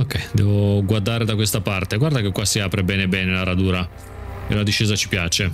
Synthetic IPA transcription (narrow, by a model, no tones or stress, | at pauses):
okːɛjd̪ɛːvoɡward̪aːɾed̪akwest̪apart̪eɡward̪akekːwasiaːpɾebɛːnebɛːnelaɾad̪uːɾa | ḛlad̪iʃːeːzat͡ʃi̥pjaːt͡ʃe